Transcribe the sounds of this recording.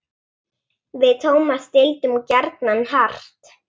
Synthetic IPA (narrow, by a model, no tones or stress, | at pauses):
vɪðt̪ʰoːwmast̪ɪlt̪ʏmcɛɾt̪nanhar̥t̪